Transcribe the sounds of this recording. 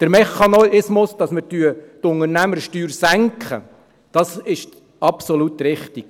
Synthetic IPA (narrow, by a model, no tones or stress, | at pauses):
d̥əɾmɛχɑnoɪsmʊsd̥ɑsmətyətʊŋəɾnæməɾʃtyːɾsæŋkχə̰ | d̥ɑsɪʃ | ɑpsolut̪ɾɪχtik